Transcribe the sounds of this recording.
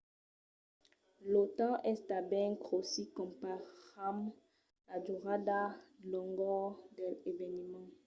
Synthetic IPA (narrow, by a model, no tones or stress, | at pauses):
lotɑ̃ʔɛstabɛ̃ɡʁosikɔ̃mpaʁam | laduʁadalɔŋɡɔdɛlevɛnimɑ̃